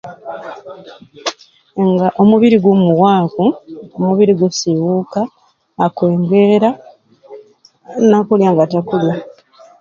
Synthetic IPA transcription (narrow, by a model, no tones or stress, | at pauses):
ŋɡaʔo̞muβiɾiɡomuɣwaːkuomuβiɾiɡusiwukaː | kwe̞ːŋɡeɾa | nakuljaŋɡatakulja